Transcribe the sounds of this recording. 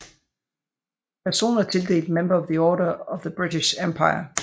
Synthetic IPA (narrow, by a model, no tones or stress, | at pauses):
pʰæɐso̝̰ːnɐt͡sʰe̝ld̥e̝̰ːld̥memb̥ɐɒʋðiɒːɾɐɒʋðəb̥ʁit͡siʃempʰɑ̈ɪɐ̰